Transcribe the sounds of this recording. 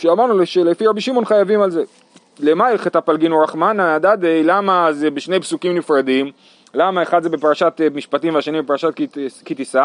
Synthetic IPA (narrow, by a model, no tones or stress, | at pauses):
ʃeamaʁnuleʃelefiʁabiʃimo̞nχajavimalze̞ | lemaiχetapalɡinoʁaχmanaad̪ad̪ejlamazebeʃne̞jpsukimnifʁadim | lamaeχad̪zebepaʁaʃat̪miʃpatimveaʃanimbepaʁaʃat̚kikit̪isa